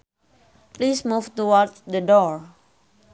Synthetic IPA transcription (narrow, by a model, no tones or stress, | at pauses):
plismuft̪uwɔtdədɔɹ